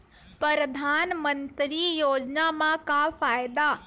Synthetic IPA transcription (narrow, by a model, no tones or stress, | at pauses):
pɾəɾəd̪ʱaːnmənt̪ɾijoːd͡ʒnamãkapʰaːjd̪a